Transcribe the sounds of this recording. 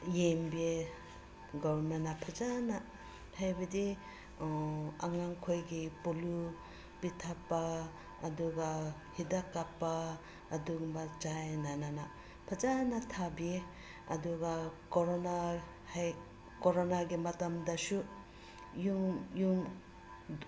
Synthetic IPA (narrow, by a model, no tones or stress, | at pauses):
jembe | ɡɔmanːapʰad͡ʒana | hajbɐdi | aŋaŋkʰojɡipolu | pitʰapːaː | duɡa | hidakːapːaː | duɡubat͡ʃajnanana | pʰad͡ʒanatʰabie | ɐ̰duɡakoɾona | h | koɾonaɡimɐtamdasu | juŋjuŋ